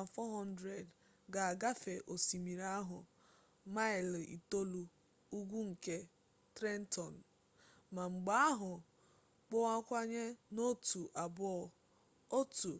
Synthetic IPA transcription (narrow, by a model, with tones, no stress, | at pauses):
a˨fɔ˦ɦɔ˦n˦dɾe˨d | ɡa˨a˨ɡa˦fe˨ʔo˨si˨mi˨ɾa˦ɦʊ˨ | ma˦ɪ˨lḭ˨to˦lu˨ | u˦ɡʷu˦ŋ̩˨ke˦ | tɾe˦n̩˦tɔ˨n̩˨ | ma˨ŋ͡m̩˨ɡ͡ba˦a˦ɦʊ˨ | k͡pʊ˦a˦kʷa˦ɲe˦no˦tu˨ʔa˨bʊ˦ɔ˨ | o˦tu˨